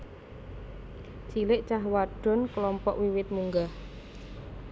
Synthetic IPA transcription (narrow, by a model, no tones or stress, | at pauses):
t͡ʃilɪʔt͡ʃaɦwaɖ̥ɔ̤nklɔmpɔʔwiwɪt̪̚muŋɡah